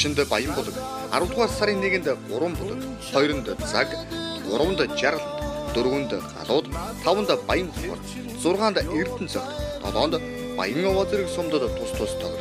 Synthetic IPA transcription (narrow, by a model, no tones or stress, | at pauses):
ʃɪ̆nt̪pajə̆mpʊɮə̆k | a̰ɾʊ̆wɮʁaːrsaɾʲiːnːeːɣɘ̆nt̪ɢʊɾwə̆mpʊɮə̆k | χɔjɾə̆nt̪t͡sakɢʊ̰ɾwə̆nt̪t͡ɕaɾə̆ɬt̪t̪ɵɾɣɵ̆nt̪ɢa̰ɮʊːt̪t̪ʰːawə̆nt̪pajə̆nt̪ʰʊə̰̆rt̪ | t͡sʊrʁaːnt̪ert̪ɘ̆nt͡sœkʲt̪t̪ɔ̰t̪ɔːnt̪ | pa̰jə̆ŋɔwɔːt͡seɾĭksʊmt̪ə̆t̪ːʰʊst̪ʰʊːst̪ʰœɣr